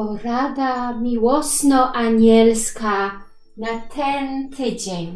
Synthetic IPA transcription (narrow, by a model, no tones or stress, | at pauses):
ɔɾad̪amʲiwɔsnɔʔaɲɛlska | nat̪ʰɛnt̪ʰɪd͡ʑeɲ